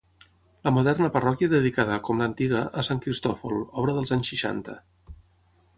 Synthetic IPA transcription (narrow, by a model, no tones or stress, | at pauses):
ləmuðɛrnəpərɔkjəðəðikaðəkɔmlənt̪iɣəʔəsaŋkɾist̪ɔfolˠɔβɾəðəlˠzaɲsʃiʃa̰nt̪ə̰